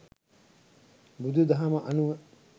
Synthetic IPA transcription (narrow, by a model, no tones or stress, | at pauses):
bud̪ud̪ɐɦamɐʔɐnuʋə